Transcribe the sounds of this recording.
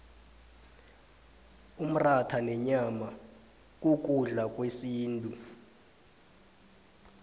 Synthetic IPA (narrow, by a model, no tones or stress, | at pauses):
um̩ratʰanɛɲama | k̬ʼuk̬ʼuɮak̬ʼwesiːntʼu